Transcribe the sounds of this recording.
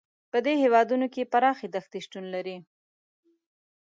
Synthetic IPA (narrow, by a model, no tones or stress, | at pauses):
pəd̪ehewɑd̪unokepaɾɑxed̪axt̪iʃʈunlaɾi